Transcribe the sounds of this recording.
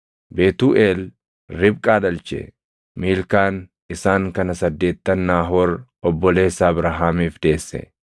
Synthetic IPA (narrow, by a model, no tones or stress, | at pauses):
beːt̪uːʔeːl | ɾɪb̚kʼaːd̪ɐlt͡ʃɛ̰ | miːlkaːn | ɪsaːŋkɐnɐsɐd̪ːe̞ːt̪ːɐnːaːɦɔːɾɔbːɔle̞ːsːaːbɾɐɦaːmiːfd̪e̞ːsːɛ̰